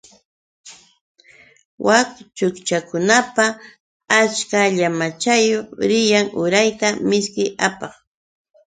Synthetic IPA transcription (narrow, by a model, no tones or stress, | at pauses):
wakt͡ʃʊkt͡ʃakʊnapa | at͡ʃkaʎamat͡ʃajoχɾɪjaŋʊɾajt̪amɪskɪjapɑχ